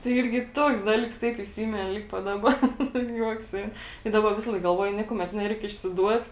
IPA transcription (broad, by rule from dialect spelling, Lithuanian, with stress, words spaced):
tɐɪ ˈɪrʲɡʲɪ ˈtuɔks ˈdɑːlʲiːks ˈtɐɪp ɪˈsʲɪmʲɪnʲɪ ˈlʲɪk pɐt ˈdɑːˌbɐ nʊ ˈjuɔks ˈɛɪn tɐɪ ˈdɑːbɐ ˈʋʲɪsɐlˠɐɪk ɡɐlˠˈʋuɔjʊ ˈnʲiɛkʊmʲɛt ˈnʲæːrʲɛɪk ɪʃʲsʲɪˈduɔt